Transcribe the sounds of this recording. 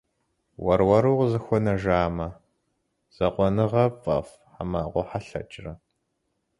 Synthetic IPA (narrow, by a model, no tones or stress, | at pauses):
wɐrwɐɾuːqzɨxʷɔnɐʒaːmɐ | z̥ɐqʷɔnɨʁɐfʼɐ̰f | ħamaːʁʷɔħaɬɐ̰t͡ʃʼrɐ